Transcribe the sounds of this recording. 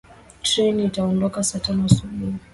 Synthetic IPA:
tɾɛniːtaɔndɔkasatanɔasuɓuhi

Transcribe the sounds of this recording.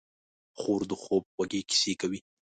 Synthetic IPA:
xoɾd̪əxob̚waɡeki̥sekawi

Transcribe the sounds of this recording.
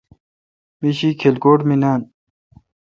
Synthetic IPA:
miɕiːkʰelkoːʈminaːn

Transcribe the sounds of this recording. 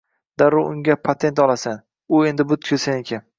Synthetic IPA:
d̪̥aɾʊʊŋɡʲapʰat̪ʰe̞nt̪ɒlˠasan | ʊe̞nd̪ɪbʊt̪kʰʲɵsanekʲʰan

